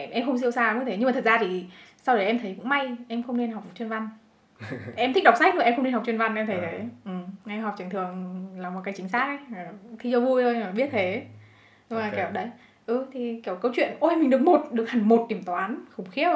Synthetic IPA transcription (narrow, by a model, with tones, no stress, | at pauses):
ʔɛ˧ʔɛ˧mxə˧wŋ͡ms̬i˧wsaː˧˨ɨ̰˧˦˥t̪ʰe˨˦ɲ˧aː˨˩t̪ə˨˩t̚zaː˧t̪ʰi˨˩sa˧wɗə˨˩jʔɛ˧mt̪ʰə˨˦jkʊ̰˧˥ŋ͡mma˧jʔɛ˧mxə˧wŋ͡mne˧nha˨˩wk͡p̚t͡ɕwnva˧n | ʔɛ˧mt̪i˦˥k̚ɗa˨˩w̚k͡p̚sa˦˥k̚no˨˩ʔɛ˧mxə˧wŋ͡mne˧nɦk͡p̚t͡ɕwənva˧nʔɛ˧mt̪ʰə˨˦jt̪ʰə˨˦ʔɨ˨˩ŋa˧jɦɔ˨˩k͡p̚t͡ɕŋt̪ɨ˨˩əŋlaː˨˩wma˨˩kaː˨˦jt͡ɕï˨˦ŋ̟saː˦˥k̚ʔə˨˦jt̪ʰi˧t͡ɕɔ˧vu˧jo˧jɓi˦˥ət̚t̪ʰe˨˦ | ɲɨ˧ŋ͡mmaː˨˩k̚ːɗə˨˦j | ʔɨ˧˩t̪ʰi˨˩ki˧˩ə˩wkə˨˦wt͡ɕwḭ˧˨ənʔo˧mï̟˨˩ɗɨ˨˩ək̚mo˨˩t̚ɗɨ˨˩ək̚ha˨˩ŋmo˨˩t̚t̪i˧˩əmt̪waː˨˦nxʊ˨˩ŋ͡mxi˦˥ə